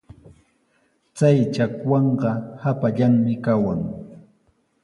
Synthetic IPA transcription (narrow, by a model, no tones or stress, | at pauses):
t͡sajt͡ʃakwɑɴɢɑhapaʎaŋmɪkawaŋ